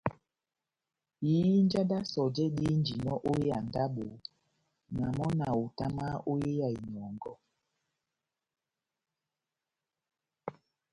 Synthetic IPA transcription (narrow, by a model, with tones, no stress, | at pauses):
jiː˦n˦d͡ʒa˦da˦sɔ˨d͡ʒɛ˦ɗi˦n˦d͡ʒi˨nɔ˦ʔo˦je˦a˨n˨da˦ɓo˨ | na˨mɔ˦na˨o˨ta˦ma˦o˦je˦ja˨i˨ɲɔ˨ŋɡɔ˦